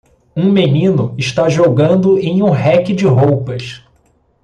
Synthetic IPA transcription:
ũmenĩnʊɪʃt̪aʒoɡɐ̃nd̪ʊẽj̃ũɦɛkɪd͡ʒɪɦowpɐs

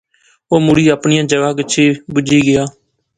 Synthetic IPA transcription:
oːmʊɽiːaːpɳɪjãːd͡ʒəɡaːɡɪt͡ʃʰeːbʊd͡ʒiːɡɪjaː

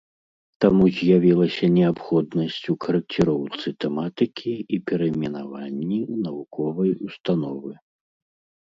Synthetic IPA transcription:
t̪amuzʲjavʲilˠɐsʲɐnʲɛapxɔd̪nɐsʲt͡sʲukɐɾɐk̚t͡sʲɛɾɔwt̪sɨt̪ɛmat̪ɨkʲʰiipʲɛɾɐmʲɛnavanʲːinɐvukɔvɐjust̪an̪ɔvɨ

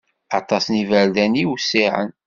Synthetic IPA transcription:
ɑt̪ˤɑsnivæɾd̪æniwsiʕə̰n

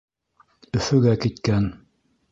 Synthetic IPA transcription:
ɵ̆fɵ̆ɡækit̪kæn

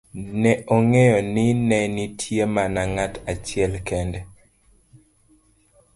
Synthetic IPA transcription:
nɛʔoŋejɔnɪnɛnitʰjemanaŋatat͡ʃjɛlkɛndɛ

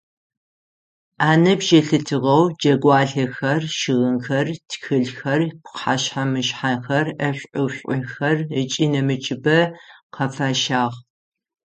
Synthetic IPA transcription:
ʔaːnɐbʒɐɬɨtʰɨʁɐwd͡ʒɐɡʷɑːɮɐxɐrʃɪɣɨnxɐrtʰxɨɮxɐrpqħaɕħamɨʃħaxɐrɐɕʷʼʊwɕʷʼʊxɐrət͡ʃʼiːnɐmɨt͡ʃʼɪbɐqʰɐfaːʃaːʁ

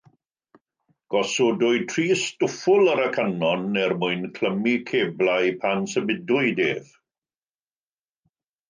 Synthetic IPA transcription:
ɡ̥ɔsʊdʊɨtʰriːsd̥ʊfʊlˠəɾəkʰanɔnːɛrmʊɨnkʰl̥əmikʰeːblajpʰansəmɪdʊɨdeːv̥

